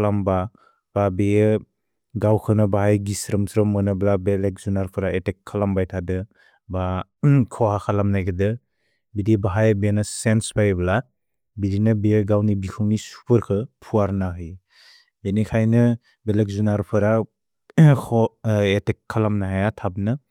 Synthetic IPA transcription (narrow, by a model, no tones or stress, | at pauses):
lamba | b̥abe | ɡawkʰɯnɯbaɦajɡisɾɯmsɾɯmːɯnɯblabelek̚zunaɾpʰɯɾaetekʰːalambajtʰadɯ | ba | kʰɔhakʰalamnajɡʰɯdɯ | bidibaɦajbenɯsensbajbla | biɾinɯbejeɡawnibikʰɯŋnisu̥pʰɯɾkʰɯpʰuaɾnaɦɯj | benikʰajnɯ | belek̚zunaɾpʰɯɾa | kʰɔetekʰːalamnaɦajatʰabnɯ